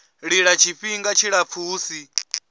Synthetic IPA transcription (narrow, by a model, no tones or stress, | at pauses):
ɺiɺat͡ʃʰiɸiŋɡat͡ʃʰiɺap̪fʰuːsi